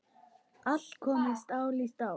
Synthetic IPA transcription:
aɬkʰɔmist̪ʼawlist̪ʼa

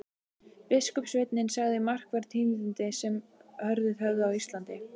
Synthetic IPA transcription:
pɪskʏpsvɪt̪nɪnsaɣðɪmar̥kvɛɾt̪ʰiːmðʏnt̪ɪsɛmhœɾðɪðœvðɪawist̪lant̪ɪ

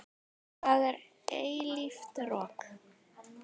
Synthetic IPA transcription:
θaðɛɾ | eːjlift̪rɔːk

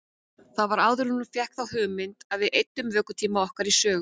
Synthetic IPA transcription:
θaðvaɾaːwðʏɾnʏɾfjɛhkθawɦʏːmɪnt̪aðvɪðʔejt̪ːʏmvœːkʏ̥t̪ʰiːmaɔhkaɾisœːɣ

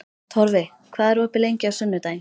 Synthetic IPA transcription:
t̪ʰɔɾvɪ | kʰvaːðɛɾvɔhpɪlejɲcɪasʏnːʏt̪aːjn

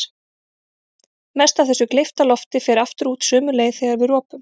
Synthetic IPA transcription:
mɛst̪avθɛsːʏklɪft̪alɔft̪ɪfɛːɾaft̪ʏɾuːt̪sœːmʏleːjθɛɣaɾvɪðrɔːpʏm

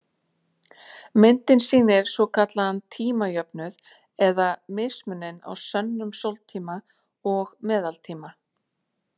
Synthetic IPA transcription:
mɪnt̪ɪnsiːnɪɾ̥svɔkʰat̪laant̪ʰiːmajœpnʏð | ɛðamɪsmʏnːɪna̰wsœnːʏmsowlt̪ʰiːma | ɔɣmɛːðalt̪ʰiːma

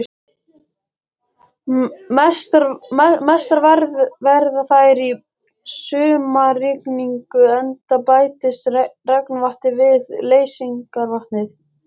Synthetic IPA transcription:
t̪mɛst̪aɾvɛɾðvɛɾðaθajɾi | sʏːmarɪkniŋkʏɛnt̪apaːjt̪ɪsrɛknvaht̪ɪvɪðleːjsiŋkaɾvaht̪nɪθ

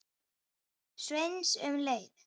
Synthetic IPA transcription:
swejnsʏ̰mlejð

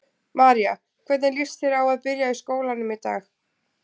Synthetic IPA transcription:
maːɾia | kʰvɛt̪nɪnlir̥st̪ɪɾawaðpɪɾjaiskoːwlanʏmit̪a̰ːx

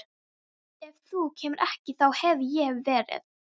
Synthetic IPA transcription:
ɛvθucʰɛːmʏɾʔɛhcɪθawhɛvjɛvvɛːɾɪ̰ð

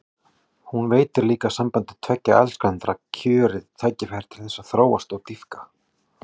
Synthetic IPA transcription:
hunveːjt̪ɪɾliːkasampant̪ɪt̪ʰvɛcːa̰ɛ̰lskant̪ɾacʰʏːɾɪðt̪ʰaːjcɪfɛɾ̥t̪ʰɪlθɛsːaθɾoːwast̪ɔwt̪ifkḁ

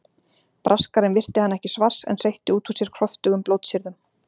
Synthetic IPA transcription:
pɾʔaskaɾɪnvɪr̥t̪ɪhanːɛhcɪsvar̥sɛ̰nsejht̪ɪuːt̪ʰusjɛɾ̥kʰɾ̥ɔft̪ʏɣʏmploːwt̪sɪɾðʏm

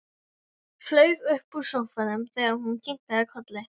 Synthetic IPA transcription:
flœːɥvʏhpusowfaðɪmθɛːɣaɾhuncʰiŋ̥kaðɪkʰɔt̪lɪ

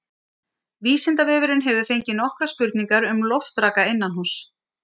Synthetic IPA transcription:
viːsɪnt̪avɛːvɪɾɪnɦɛvʏ̥fejɲcɪnɔhkɾaspʏɾt̪niŋkaɾʏmlɔft̪ɾaːkaɪnːanhus

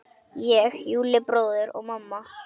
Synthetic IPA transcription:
jɛɣjuːlɪpɾowðʏɾɔɣmamːa

